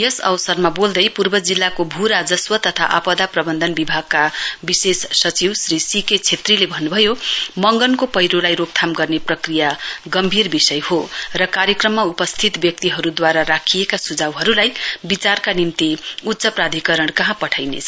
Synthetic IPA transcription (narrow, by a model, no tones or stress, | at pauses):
jʌsʌ̰wʌsʌrmabold̪ʌjpurbʌd͡zilːakobʱuɾad͡zʌswʌt̪ʌt̪ʰa̰ʔapʌd̪aprʌbʌnd̪ʱʌnbibʱaɡ̚kabisessʌt͡siwsrisiket͡sʰet̪rilebʱʌnːubʱʌjomʌŋɡʌnkopʌjɾolajɾop̚t̪ʰamɡʌrneprʌkrijaɡʌmbʱirbisʌjhorʌkaɾjʌkrʌmːaupʌst̪ʰit̪bjʌk̚t̪iɦʌɾud̪waɾaɾakʰijekasud͡zawɦʌɾulajbit͡sarkanimt̪iut̪ːsʌprad̪ʱikʌɾʌɳkʌɦãpʌʈʰajnḛt͡sʰʌ